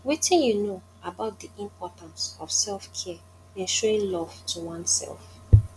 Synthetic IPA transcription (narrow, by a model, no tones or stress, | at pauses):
witɪ̃njuno | abaʊt̚d̪iĩmpʰɔtãnsɔfsɛlfkʰɛ | ẽnʃuoɪ̃nlɔv̥tʰuwãnsɛ̰lˠf